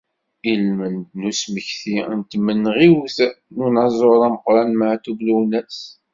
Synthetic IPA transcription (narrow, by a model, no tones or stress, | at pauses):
ilmənnusməçθint̪mːənːʁiwθnunɑzˤoɾˤæməqɾˤɑnmaʕt̪ubluwnæs